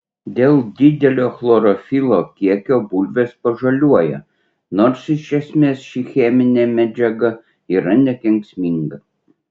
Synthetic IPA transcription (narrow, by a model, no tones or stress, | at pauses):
d̪ʲeːlˠd̪ʲɪd̪ʲɛlʲoːxlˠɔɾɔfʲilˠoːkʲiɛkʲoːbulʲʋʲeːspɐʒɐlʲuɔjɛ̰ | noːɾsɪʃʲɛsʲmʲeːsʃʲixʲɛmʲɪnʲeːmʲæd͡ʒʲɛɡɐ | iːɾɐnʲɛk̪ʲɛŋʲksʲmʲɪŋɡɐ